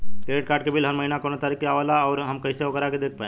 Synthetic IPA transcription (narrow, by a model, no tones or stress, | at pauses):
keeʈ̚kaːɾɖkebʱiːlɦəɾməɦinakoñat̪aɾikːeaʋalaɔːɾɦəmkəjseoɡəɾaked̪ek̚ʰpaẽ